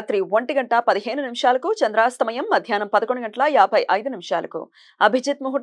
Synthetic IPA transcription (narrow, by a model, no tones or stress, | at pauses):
t̪ɾiʋɐɳʈiɡɐɳʈɐpɐd̪iɦe̞ːnunimʂaːlɐkut͡ʃɐnd̪ɾaːst̪ɐmɐjɐmːɐd̪ʱjaːnɐmpɐd̪ɐkoɳɖuɡɐɳʈɐlɐjaːbʱɐjʔɐjd̪unimʂa̰ːlɐ̰kṵ | ɐbʱid͡ʒit̪muɦu